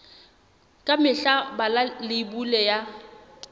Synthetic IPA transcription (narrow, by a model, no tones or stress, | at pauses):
kʼamɪɬabalalɪbulɛja